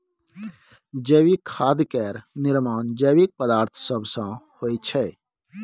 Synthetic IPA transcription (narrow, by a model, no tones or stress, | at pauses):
d͡ʒəːwikʰaːd̪kɛːɾnɪɾmaːnd͡ʒəwik̚pəd̪aːɾt̪ʰsəbsãhoːit͡ʃʰɛː